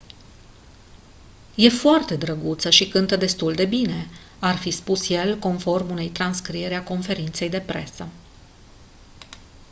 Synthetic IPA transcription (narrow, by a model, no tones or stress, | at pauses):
je̞foart̪e̞d̪ɾəɡut̪səʃikɨnt̪əd̪e̞st̪uld̪e̞bine̞ | arfispusje̞lko̞nfo̞rmune̞jt̪ɾanskɾie̞ɾeako̞nfe̞ɾint̪se̞jd̪e̞pɾe̞̰sə